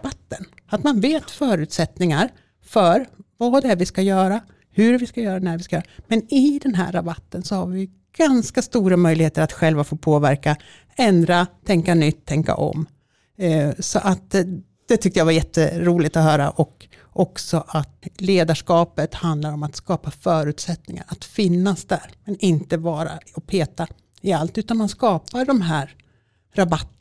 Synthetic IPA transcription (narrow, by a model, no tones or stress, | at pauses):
bat̪ːən | at̪manveːt̪fœːɾʉ̟ːt̪sɛt̪nɪŋaɾ | fœɾvaːd̪ɛæɾvɪskajœːɾa | hɵɾvɪskajœːɾanæɾvɪskajœːɾamɛnɪd̪ɛnɦæ̰ːɾabat̪ːənsɔhaɾvɪ | ɡ̥anskast̪uːɾamœjlɪɡheːt̪əɾat̪ɧɛlvafoːpʰoːvæɾka | ɛnd̪ɾat̪ʰɛŋkanʏt̪ʰːɛŋka̰ʔɔ̰m | sɔʔat̪ | d̪̥ɛt̪ʰʏk̚t̪əjavajɛt̪ʰːəɾuːlɪɡt̪ɔɦœːɾa̰ʔɔk | ʔɔksɔʔat̪leːd̪aʂkɑːpət̪hand̪laɾɔmat̪skɑːpafœːɾʉ̟ːt̪sɛt̪nɪŋa̰ɾat̪fɪnːasd̪æːɾmɛnɪnt̪əbɑːɾa̰ɔpʰeːt̪a | ɪalt̪ʉ̟ːt̪anmanskɑːpaɖɔmɦæːɾ | ɾabat̪ː